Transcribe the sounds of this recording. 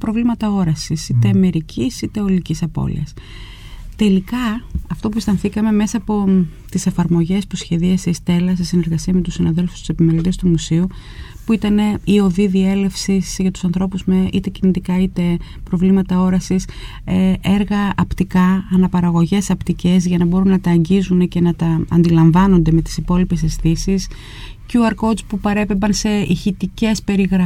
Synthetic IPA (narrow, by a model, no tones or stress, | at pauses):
pɾo̞vlimɐt̪ɐo̞ɾɐsisit̪e̞me̞ɾicʰisit̪e̞olicisɐpo̞̰lḭɐ̰s | t̪e̞likɐɐft̪o̞pust̪ɐnθikɐme̞me̞sɐːpo̞t̪ise̞fɐɾmo̞ʝe̞spusçe̞ðiɐseist̪e̞lɐsesine̞ɾɣɐsiɐme̞t̪usinɐðe̞lfu̥st̪u̥se̞pime̞lit̪e̞st̪umusiu | puit̪ɐne̞io̞ðiðie̞le̞fsisʝɐt̪u̥sɐnθɾo̞puzmeʔit̪e̞cinit̪ikɐit̪e̞ | pɾo̞vlimɐt̪ɐo̞ɾɐsis | ʔe̞ɾɣɐɐpt̪ikɐːnɐpɐɾɐɣo̞ʝe̞sɐpt̪ice̞zʝɐnɐbo̞ɾunːɐt̪ɐːɲɟizune̞ce̞nɐt̪ɐɐ̰nd̪ilɐɱvɐno̞nd̪e̞me̞t̪i̥sipo̞lipe̞se̞sθisis | cuuɐɾkozpupɐɾe̞pebɐnse̞içit̪ice̞spe̞ɾiɣɾɐ